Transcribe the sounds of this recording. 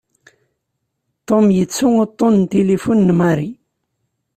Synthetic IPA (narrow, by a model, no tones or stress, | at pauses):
t̪ːomjət͡sːʊŋot̪ˤːont̪elifunːmaɾi